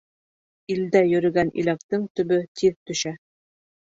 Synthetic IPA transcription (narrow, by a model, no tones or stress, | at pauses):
ild̪æjɵ̆ɾɘ̆ɡænʔḭlæk̚t̪ɘŋt̪ɵ̆βɵt̪ʰiðt̪ɵ̆ʃæ